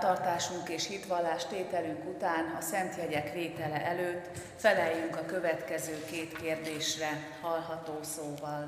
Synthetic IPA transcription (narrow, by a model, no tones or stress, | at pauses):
t̪ɒrt̪aːʃuŋkeːʃhit̪ʋɒlːaːʃt̪eːt̪ɛlyŋkut̪aːnɒsɛnt̪jɛɟɛkʋeːt̪ɛlɛʔɛløːt̪ː | fɛlɛjːyŋkɒkø̞vɛt̪kɛzøːkeːt̪keːrd̪eːʃrɛ | hɒlɦɒt̪oːsoːvɒl